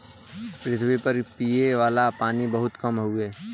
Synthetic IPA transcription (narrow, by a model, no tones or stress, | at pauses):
pɾɪt̪ʰwipɐɾpiːeʋaːlapaːnibɐɦʊt̪kɐmɦʊeː